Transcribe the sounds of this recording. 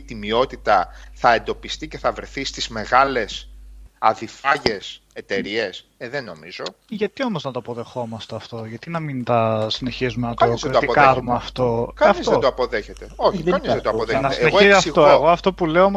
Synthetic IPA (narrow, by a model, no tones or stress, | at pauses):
t̪imio̞t̪it̪ɐθɐe̞nd̪o̞pist̪ice̞θɐvɾe̞θist̪izme̞ɣɐle̞sɐðifɐʝe̞s | et̪e̞ɾie̞s | eðeno̞mizo̞ʝɐt̪io̞moznɐt̪oɐpoðe̞xo̞mɐst̪e̞ɐft̪o̞ʝɐt̪inɐmint̪ɐsine̞çizumenɐt̪oɾoɐt̪ikɐɾumeɐft̪o̞ɐɐfizɐt̪oɐpoðeçet̪eoçɐnizðet̪oɐpoðenɐseneɣoiɐsiɣt̪oeɣo̞ɐft̪o̞pule̞om